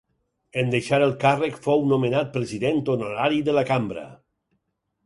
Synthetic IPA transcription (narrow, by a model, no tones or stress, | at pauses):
end̪eʃaɾəlˠkarəkfownomenat̪̚pɾeziðent̪onoɾaɾiðəlakambɾə̰